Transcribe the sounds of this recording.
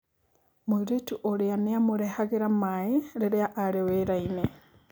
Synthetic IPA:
moiɾetuʔoɾeaneamoɾehaɣeɾamaeɾeɾeaʔaɾeweɾaine

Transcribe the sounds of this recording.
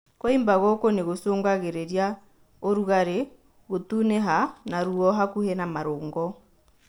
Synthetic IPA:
koimbaɣɔkoneɣosoːŋɡaɣeɾɛɾja | oɾuɣaɾe | ɣotunɛɦanaɾuɔɦakuhɛnamaɾoːŋɡɔ

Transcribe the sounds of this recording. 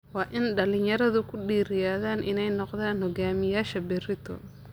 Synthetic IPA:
wɑːʔɪnɖɐlɪnjɐɾɐðʊkʰʊɖiːɾɪjaːðaːnʔɪ̰nɛjnɔqðaːnhɔɡaːmɪjaːʃɐbɪɾɪt̪ʰɔ̰

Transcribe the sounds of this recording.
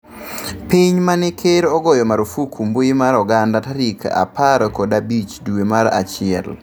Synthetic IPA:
piɲmanɪkʰeɾɔɡɔjɔmaɾofukʰumboimaɾɔɡandataɾika̰paɾkɔdabit͡ʃduemaɾa̰t͡ʃɪɛ̰l

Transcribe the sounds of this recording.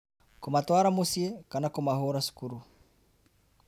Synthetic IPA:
kumatwaɾamosiɛkanakumahoɾasu̥kuɾu

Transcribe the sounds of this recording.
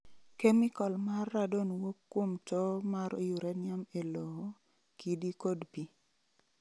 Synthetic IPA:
kemikɔlmarːadonwokːwomtɔmaɾo̰jʊɾɛnɪamelɔ | kidikodpi

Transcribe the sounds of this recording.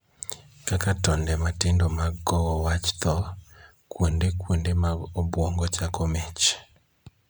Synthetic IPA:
kakatɔndɛmatɪndomaɡɔwɔwat͡ʃt̪ɔ | kwondekwondemaobwɔŋɡɔt͡ʃakomɛt͡ʃ

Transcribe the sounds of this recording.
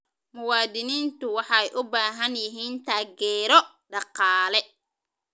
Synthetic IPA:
mʊwaːd̪ɪniːnt̪ʊwɑħɑɛjʔʊbaːɦɐnjɪɦiːnt̪ʰaːɡɛːɾɔ | ɖɑqɑːlɛ

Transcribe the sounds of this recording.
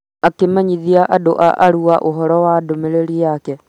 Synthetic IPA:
akemaɲiðiaʔadoʔa̰ʔaɾuaʔoɦɔɾɔwadomeɾeɾiakɛ

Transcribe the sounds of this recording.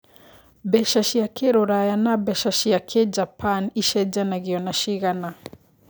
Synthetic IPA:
bɛʃaʃijakɛɾɔɾajanabɛʃaʃijakʰɛd͡ʒapaniʃɛd͡ʒanaɣiɔnaʃiɣana

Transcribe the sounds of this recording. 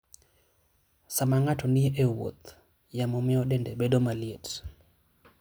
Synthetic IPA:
samaŋatɔnɪeʔewo̰t̪ | jamɔmɪɔɗɛndɛbedomaljet

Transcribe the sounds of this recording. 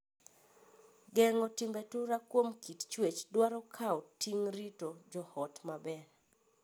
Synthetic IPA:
ɡɛŋɔtɪmbɛtʊɾakwomkʰitt͡ʃwet͡ʃdwaɾɔkʰaɔtːiŋɾitod͡ʒɔhɔtmabɛɾ

